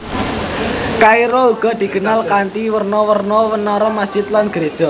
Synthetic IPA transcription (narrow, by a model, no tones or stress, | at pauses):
kaiɾɔuɡ̥ɔ̤d̪̥i̤ɡ̥ənalkant̪iwərnɔwərnɔwənɔɾɔmasit̪lanɡ̥əɾed̥ʒ̥ɔ